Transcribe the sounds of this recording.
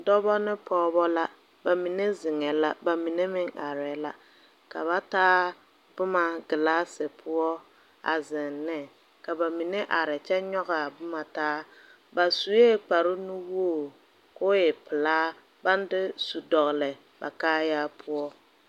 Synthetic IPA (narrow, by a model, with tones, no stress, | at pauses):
dɔ˦bɔ˦nɪ˦pɔː˦bɔ˦la˦ | ba˨mi˨ne˦zɪ˨ŋɛ˨la˦ba˨mi˨ne˦mɪ˦ŋa˨ɾɛ˨la˦ | ka̰˨βa˦taː˦ | b̥ʊ˦ma˨ɡɪ˨laː˦sɪ˨pʰʊ˦ɔ˦ | a̰˨zɪ˨nːɛ˦ | ka˨ba˨mi˨nɛ˦ʔa˨ɾɪ˨t͡ʃɛ˦ɲɔ˦ɣa˨bʊ˦ma˨taː˦ | ba˨su˨je˦k͡pa˨ɾɪ˦nʊ˦woː˦˨ | koː˦jɛ˨pɪ˨laː˦ | ba˦n˦dɪ˦su˨dɔ˨ɣlɛ˨ | ba̰˨kaː˦jaː˦pʰʊ˦ɔ˦